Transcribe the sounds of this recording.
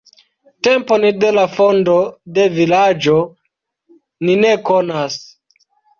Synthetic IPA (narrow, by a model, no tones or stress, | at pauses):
temponide̞lafondo̞de̞vilad͡ʒo̞ | ninekonas